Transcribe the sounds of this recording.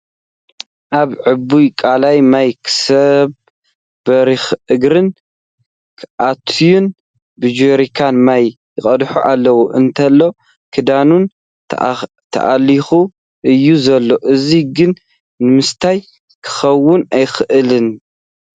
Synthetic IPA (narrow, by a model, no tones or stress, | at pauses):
ʔaβʕɨbujkʼalajmajkʰɨ̥sɐβ | bɐɾixʔɨɡɾɨnʰ | ʔat̪ʰjun | bɨd͡ʒoɾikʰanmajː | ɨχʼɐd̪ħuʔalːɐwuʔɨnt̪ʰɐlːo̞ | kʰɨd̪anun | t̪ʰɐ̰ʔalixu | ʔɨjːuzɐlːo̞ʔɨziɡɨn | nɨmɨst̪ʰaj | kʰɨ̥xɐwːʊnajxɨʔɨlɨn